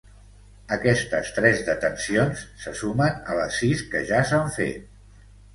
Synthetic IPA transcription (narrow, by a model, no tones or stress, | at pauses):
əkɛst̪əst̪ɾɛzðət̪ənsionsːəsumənələsːiskəʒasaɱfḛt̪̚